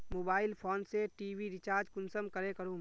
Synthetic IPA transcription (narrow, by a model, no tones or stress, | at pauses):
moːbaːɪlpʰoːnseʈiːwiɾɪt͡ʃaːɾd͡ʒkʊnsəmkəɾekəɾũː